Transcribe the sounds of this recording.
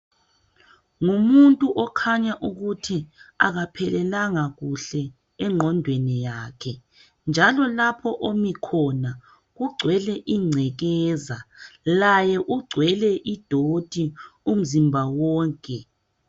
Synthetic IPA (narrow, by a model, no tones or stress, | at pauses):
ŋumuntʼuʔɔkʰaɲaʔuɣutʰia̰ɣapʰɛlɛlaŋaɣuɬɛ | ɛŋ͡ǃʱɔndʱwenijaːkʰɛ | nd͡ʒʱalɔlapʰɔʔomikʰɔna | ɣuɡ͡ǀʱwɛlɛʔiŋ͡ǀʱɛɣɛːzalajɛʔuɡ͡ǀʱwɛlɛʔid̥ʱod̥ʱium̩zimbʱawɔːŋkʼɛ